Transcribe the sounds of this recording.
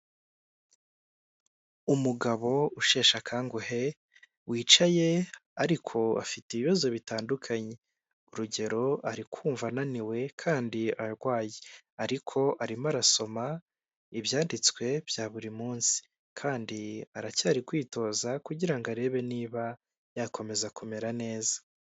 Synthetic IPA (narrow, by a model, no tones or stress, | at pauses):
umuɡaβo̞uʃe̞ːʃakʰaːŋɡuhe̞ | wiːt͡ʃaje̞aɾikʰo̞a̰fitiβiβazo̞βitaːndukʰaɲe̞ | uɾuɟe̞ɾo̞aɾikwuːɱvananiwe̞kʰaːndiaɾɡwaːje | aɾikʰo̞ʔaɾimaɾaso̞ma | iβjaːndit͡skwe̞b̥jaːβuɾimuːnsi̥ | kʰaːndiaɾacaːɾikwiːto̞ːzakuɟiɾaŋɡaɾe̞βe̞niːβa | jakʰo̞me̞zakume̞ɾane̞ːzḁ